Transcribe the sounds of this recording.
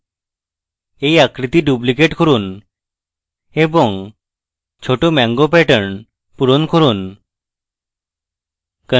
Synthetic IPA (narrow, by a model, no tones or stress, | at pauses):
eiakɾit̪iːɖuplikeʈkʰɔɾuːn | ebɔŋɡ | t͡ɕʰoʈomãŋɡopɛʈəɳ | puɾonkʰoɾuːn | kə